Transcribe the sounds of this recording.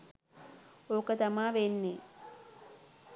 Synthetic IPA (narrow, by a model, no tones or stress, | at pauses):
oːkət̪amaːʋenːe